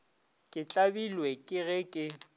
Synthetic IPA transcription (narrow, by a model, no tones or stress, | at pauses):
kʼɪt͡ɬʼabilwɛkʼɪɣɛkʼɪ